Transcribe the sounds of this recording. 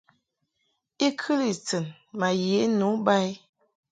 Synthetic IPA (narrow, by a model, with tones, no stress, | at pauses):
i˦kʰɨ˦li˨t͡sə˨n | ma˨je˨˦nu˨˦ba˦j